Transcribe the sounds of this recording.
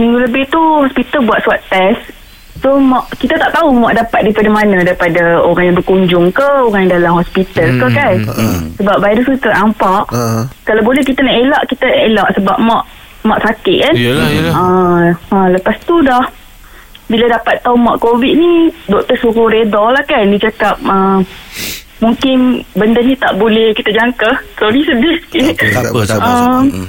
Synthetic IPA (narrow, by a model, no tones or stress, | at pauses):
mĩŋɡuləbɪht̪uhɔspit̪əlbuat̪̚suat̪t̪ːɛs | somɔʔkit̪at̪aʔt̪aumaʔ̚dapat̪̚daipadamanãdaɾipadaoɾaŋjãŋbərkuɲd͡ʒʊŋkəoɾãŋjaŋdalamhɔspit̪əlkəkansəbap̚bajdəsukit̪əaʔampaʔkalawbolɛhkit̪anaʔelaʔkit̪aaʔelaʔsəbap̚maʔ | maʔsakɪʔ̪̚kanəələpast̪udah | biladapat̪ːaumaʔkovit̪̚nidɔk̚t̪əsuɾuɾedalahkandid͡ʒakap̚ə | muŋkɪnbəndənĩt̪aʔbolɛhkit̪ad͡ʒaŋkat̪awnisədɪski | əm